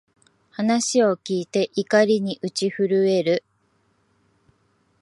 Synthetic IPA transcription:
hanaɕio̞kʲiːt̪e̞ʔikaɾʲiɲ̟iʔɯ̟t͡ɕiɸɯ̟ɾɯ̟e̞ɾɯ̟

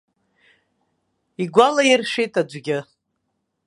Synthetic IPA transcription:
iɡʷalajɪrʂejtʰʼad͡ʒʷɡʲɪ

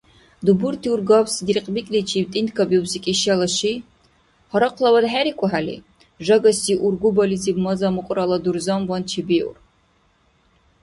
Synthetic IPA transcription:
d̪uburtʰiurɡabsd̪irqʼbikʼlit͡ʃʰibtʼindkʰabiubsikʲʼiʃalɐʃi | χɔɾaqʷʰlawad̪ħaɾikʷʼɔħalḭ | ʒɐɡɐsiʔurɡʷubɐlizibmɐzamɨqʷʼralad̪urzamwant͡ʃʰibiw̰r

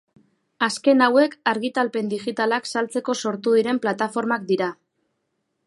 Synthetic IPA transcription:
aske̞nawe̞kaɾɣit̪alpe̞nd̪iʝit̪alaksalt͡se̞ko̞so̞ɾt̪uðiɾe̞mplat̪afo̞ɾmak̚d̪iɾa

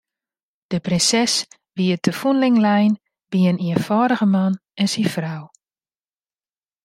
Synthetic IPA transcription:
d̥əprɪnsɛs | ʋiətəfunlɪŋlɛjn | biəniənfɔːɾəɣəmanɛnsifraw

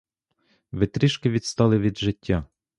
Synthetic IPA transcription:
ʋɪt̪ɾʲiʃkɪʋʲit̪st̪ɑlˠɪʋʲid̪ʒɪtʲːa

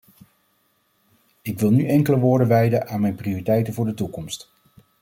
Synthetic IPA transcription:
ɪkʋɪlˠnyʔɛŋkələʋʊːɹdənʋɛjdənʔaːnmɛjnprioritɛjtənvʊːɹdətukɔmst

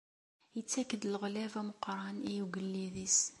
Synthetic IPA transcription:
jət͡sːækːəd̪əlɣlævæmʊqɾˤɑnijuɡəlːiðis

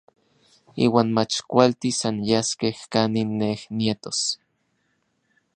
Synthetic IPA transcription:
iːwaːnmat͡ʃkʷalt̪isanjaskehkaninːehnjet̪os

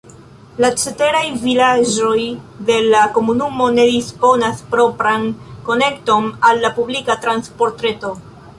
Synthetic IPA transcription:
lat͡ʃete̞ɾajvilad͡ʒo̞j | de̞lako̞munumo̞ne̞dispo̞naspɾo̞pɾanko̞ne̞kto̞nalːapublikatɾanspo̞ɾtɾe̞to̞

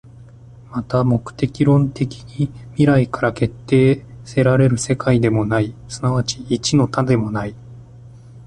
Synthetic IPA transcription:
mat̪amo̞kɯ̟̥t̪e̞kʲiɾõ̞nt̪e̞kʲi̥ɲimʲiɾaikaɾake̞t̪ːe̞ːse̞ɾaɾe̞ɾɯ̟se̞kaid̪e̞mo̞naisɨnaβ̞at͡ɕiːt͡ɕino̞t̪ad̪e̞mo̞nai

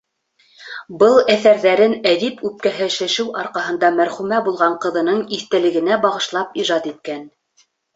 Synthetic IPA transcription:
bɤlˠæθæɾðæɾɘnæðipʉp̚kæɦɘʃɘ̆ʃɘwʔɑɾqɑɦɤ̆nd̪ɑmæɾχʉmæbulˠʁɑɴqɤ̆ðɤ̆nɤɴiθt̪ɘ̆lɘ̆ɡɘ̆næbɑʁɤ̆ʃlˠɑp̚iʒɑt̪it̪̚kæn

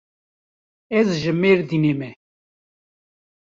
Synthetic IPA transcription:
ɛzʒɨmeɾd̪inemɛ

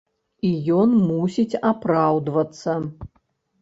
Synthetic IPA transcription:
ijɔnmusʲit͡sʲapɾawd̪vɐt̪sːɐ

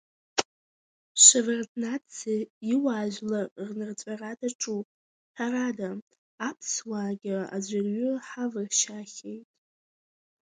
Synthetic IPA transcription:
ʃʷavɨrtʰnat͡sʰeiwaːʒʷᶣlarnɨrt͡sʷʼaradaʈ͡ʂʼu | ħʰaradaː | pʰswaːɡʲɪa̰d͡ʑʷarɥʊħavɨʃaχʲejtʼ

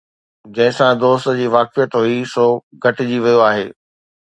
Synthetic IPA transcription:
d͡ʑɐ̃ɦɪ̃sãd̪oːst̪d͡ʑiːʋaːkɪjət̪ɦuisoːɡʱɐʈɪd͡ʑiʋijoaːɦeː

